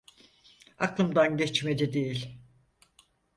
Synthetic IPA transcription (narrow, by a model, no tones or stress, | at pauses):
a̰klˠɯmd̪anɟɛt͡ʃmed͡ʒɛd̪ejilʲ